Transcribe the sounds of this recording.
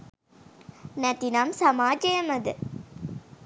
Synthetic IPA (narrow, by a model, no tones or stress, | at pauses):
nɐt̪inaːmsɐmaːd͡ʒɐjɐmɐd̪ɨ